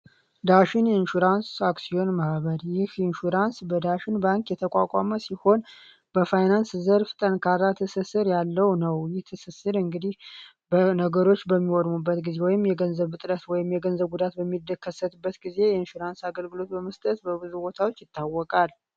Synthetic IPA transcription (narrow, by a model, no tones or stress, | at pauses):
d̪aʃɪnjinʃuɾansaksio̞nmahβəɾjɪhinʃuɾansbəd̪aʃɪnbaŋkjɛt̪ʰəkʼakʼaməsiho̞n | b̥əfajnanszəɾfɨ̥t̪ʼənkʰarːat̪ʰɨsɨsɨɾjalːəwnəwjɪht̪ʰɨsɨsɨɾɨŋɡɨd̪ih | bənəɡəɾo̞t͡ʃːbəmːiwɔd̪mubːət̪ɡize̞wɔjɪmjɛɡənzəβɨt̪ʼɾət̪wɔjɪmjɛɡənzəβɡud̪at̪̚bəmːid̪əkʰːəsət̪ɨbːət̪ɡize̞jɛinʃuɾansaɡəlɡɨlo̞t̪̚bəməst̪ʼət̪bəβɨzubo̞t̪ʰawo̞t͡ʃːjɪt̪ʰːawːɔkʼal